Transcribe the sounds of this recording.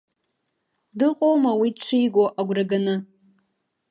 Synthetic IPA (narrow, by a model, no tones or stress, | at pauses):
dɨqʼowmawiʈ͡ʂʷʰijɡʷoʔaɡʷraɡanɨ